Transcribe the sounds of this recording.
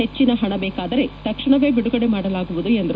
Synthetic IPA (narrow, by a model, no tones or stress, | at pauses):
et͡ʃːinɐɦɐɳɐbɛːkaːd̪ɐɾe̞t̪ɐkʂiɳɐʋe̞ːbiɽuɡɐɽemaːɽɐlaːɡuʋud̪ue̞nd̪ɐɾ